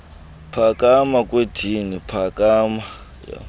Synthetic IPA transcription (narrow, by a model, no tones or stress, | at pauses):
pʰakʼamakʼwed̥ʰʱinipʰakʼaːma | ja̰